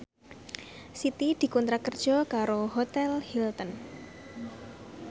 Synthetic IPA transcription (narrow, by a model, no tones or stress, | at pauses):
sit̪id̪̥i̤kunt̪ɾakər̥ʒ̥ɔkaɾoɦot̪ɛlhilt̪ən